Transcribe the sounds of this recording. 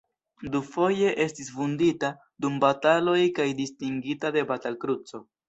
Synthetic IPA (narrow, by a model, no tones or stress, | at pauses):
dufo̞je̞ʔe̞stisvundita | dumbatalo̞jkajdistiŋɡitade̞batalkɾut͡so̞